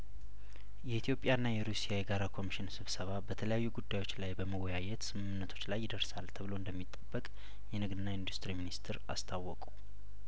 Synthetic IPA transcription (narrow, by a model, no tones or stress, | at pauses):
jɛit̪ijo̞pʼːjaɨnːajɛɾusijajɛɡaɾakʰo̞miʃɪnsɨβsəβabət̪ʰələjajːuɡud̪ːajo̞t͡ʃːlajbəməwɔjajɛt̪sɨmɨmnːət̪ʰo̞t͡ʃːlajːɪd̪əɾsalt̪ʰəβɨlo̞ɨnd̪əmːit̪ʼːəbːəkʼ | jɛnɨɡd̪ɨnːaind̪ust̪ɨɾiminist̪ʰɨɾa̰st̪ʰawːɔkʼu̥